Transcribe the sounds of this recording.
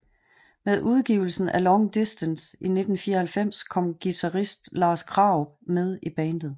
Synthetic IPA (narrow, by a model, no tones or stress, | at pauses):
meðˠʔuð̞ˠɡ̥iʊl̩sn̩ælɒŋd̥isd̥ənsine̝d̥n̩fiːɐhælfem̰skʰɒ̽m̰ɡ̥it͡sʰɑ̈ʁisd̥lɑ̈ːskʰʁɑ̈ʊbmeð̞ˠib̥ɛːnd̥ð̩ˠ